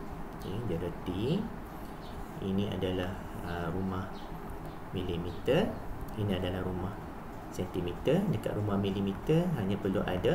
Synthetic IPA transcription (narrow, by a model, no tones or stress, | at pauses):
id͡ʒəɾət̪i | ḭnĩa̰dalah | əɾumah | milimit̪ərinĩadalahɾumah | sɛnt̪imit̪ərdəka̰ʔ̪ɾumahmilimit̪ərɦaɲãpərluʔa̰da